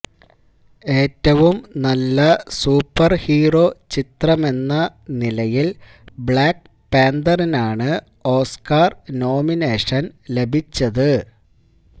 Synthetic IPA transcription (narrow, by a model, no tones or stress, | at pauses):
e̞ːtːɐʋumnɐlːɐsuːpːɐrhiːro̞ːt͡ɕit̪rɐme̞nːɐnilɐjil | bɭaːk | peːnd̪ɐrinaːɳɨ | o̞ːskaːrno̞ːmineːʂɐnle̞bʱit͡ɕːɐðɨ